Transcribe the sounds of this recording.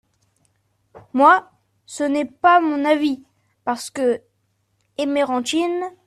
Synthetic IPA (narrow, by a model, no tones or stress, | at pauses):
mwa | sənɛpamɔ̃navi | paʁsə̥kə | emeʁɑ̃t̪in